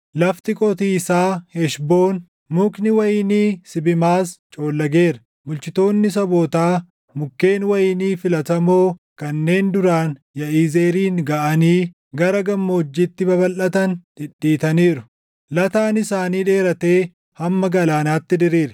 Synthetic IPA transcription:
lɐft̪ɪkʼɔt̪iːsaːhɛʃbo̞ːn | mʊknɪwɐjɪniːsɪbɪmaːst͡ʃʼo̞ːlːɐɡe̞ːɾɐ | mʊlt͡ʃɪt̪o̞ːnːɪs̬ɐboːt̪aː | mʊkːe̞ːnwɐjɪniːfɪlɐt̪ɐmo̞ːkɐnːe̞ːnd̪ʊɾaːn | jɐʔiːze̞ːɾiːŋɡɐʔɐniː | ɡɐɾɐɡɐmːoːd͡ʒːit̪ːɪbɐbɐlʔɐt̪ɐnt̪ɪɗːiːt̪ɐniːɾʊ̥ | lɐt̪aːnɪsaːniːᶑe̞ːɾɐt̪e̞ː | hɐmːɐɡɐlaːnaːt̪ːɪd̪ɪɾiːɾɛ

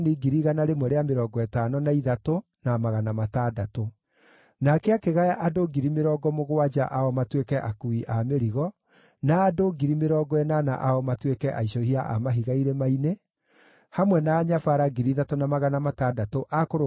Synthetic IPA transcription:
niɡiɾiɣanaɾemwɛɾeameɾɔɡɔɛtanɔnaiðato | namaɣanamataːdato | nakɛakeɣajaʔadoɡiɾimeɾɔːɡɔmoɣowad͡ʒaʔaɔmatwekɛʔakuiʔameɾiɣɔ | naːdoɡiɾimeɾɔːɡɔɛnana̰ʔaɔmatwekɛʔaiʃɔhiaʔa̰maɦiɣaiɾɛmaine | hamwɛnaːɲafaɾaɡiɾiðatonamaɣanamatadatoʔakoɾo

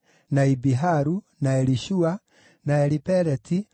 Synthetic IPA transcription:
naibiɦaɾu | naɛɾiʃua | naɛɾipɛɾɛtʰi

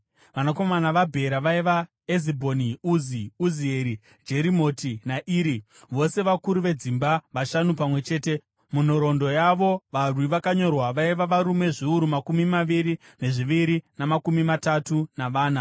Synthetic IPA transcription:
ʋanako̞manaʋabʱe̞ɾaʋaiʋa | ezibʱo̞niuziuzieɾi | d͡ʒe̞ɾimo̞tinaʔiːɾi | ʋo̞se̞ʋakuɾuʋe̞d͡zimbaʋaʃanupamwe̞t͡ʃe̞ːte̞ | munoɾo̞ndo̞jaʋo̞ʋarwiʋakaɲo̞rwaʋaiʋaʋaɾume̞ʐiuɾumakumimaʋiɾine̞ʐiʋiɾinamakumimatatunaʋaːna

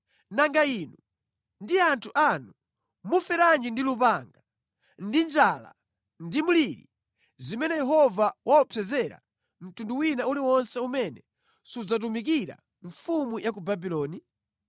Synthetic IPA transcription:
naŋɡainu | ndiantʰuʔanu | mufɛɾand͡ʒindilupaŋɡa | ndind͡ʒala̰ | ndimuliɾḭ | zimɛnɛjɛɦɔvawʔaɔpʰɛzɛɾa̰ | m̩tunduwinauliwɔnsɛumɛnɛ | sud͡zat̬umik̬iɾa̰ | ɱfumujak̬ubabilɔːni

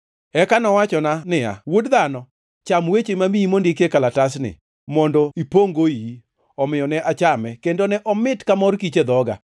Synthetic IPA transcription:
ɛkanɔwat͡ʃɔnanɪja̰wodd̪anɔ | t͡ʃamwet͡ʃemamiimondikekalatas̬nɪ̰ | mɔndɔipoŋɡoi | ɔmɪjɔnɛʔat͡ʃamɛkendonɛʔɔmɪtkamɔrkit͡ʃed̪ɔɡa̰

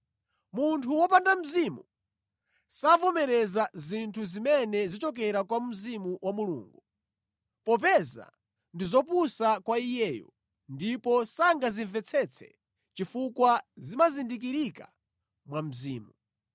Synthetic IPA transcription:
muntʰuwɔpandam̩zimṵ | savɔmɛɾɛzazintʰuzimɛnɛzit͡ʃɔk̬ɛɾakwam̩zimuwʔamulṵŋɡu | pɔp̬ɛza̰ | ndizɔpusakwaijɛjɔ̰ | ndipɔsaŋɡaziɱvɛt͡sʰɛt͡sʰɛ̥̰ | t͡ʃifukwazimazindik̬iɾika | mwam̩ziːmu

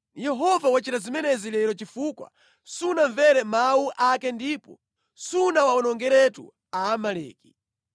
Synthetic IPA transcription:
jɛɦɔvawat͡ʃitazimɛnɛzilɛɾɔt͡ʃifukwa̰ | sunaɱvɛɾɛmawuʔakɛndipɔ̰ | sunawaɔnɔŋɡɛɾɛtṵ | aːmalɛ̰ːki̥

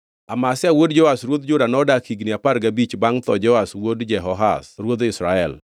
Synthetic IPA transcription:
amasɪawodd͡ʒɔasɾwod̪d͡ʒʊdanɔdakiɡniapaɾɡabit͡ʃbaŋt̪ɔd͡ʒɔaswodd͡ʒɛɦɔɦa̰sɾwod̪ɪsɾaɛl

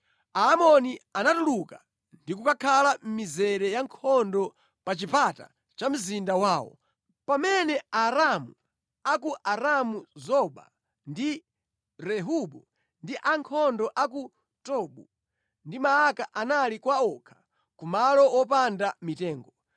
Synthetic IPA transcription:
aːmɔnianatuluka | ndikukakʰalam̩mizɛɾɛjaŋkʰɔndɔ | pat͡ʃipata̰ | t͡ʃam̩zindawaːwɔ̰ | pamɛnɛaɾamu | akuʔaɾamuzɔɓa̰ | ndi | ɾɛɦuɓu | ndiʔaŋkʰɔndɔʔaku | tɔɓu | ndimaːkaʔanalikwaɔkʰḁ | kumalɔwɔpandamitɛːŋɡɔ

